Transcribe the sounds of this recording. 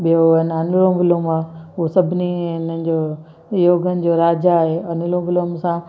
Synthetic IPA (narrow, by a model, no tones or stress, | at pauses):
ɓijonɐnʊlõʋɪloːmaːɦuosɐbʱɪniɪnənɪ̆d͡ʑoː | joːɡʱənɪ̆d͡ʑoːɾaːd͡ʑaːɦeɐnʊlõːʋɪlomsã